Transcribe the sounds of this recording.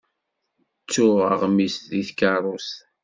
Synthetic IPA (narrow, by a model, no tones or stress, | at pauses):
t͡sːʊʁəʁmisðiθkɑrˤos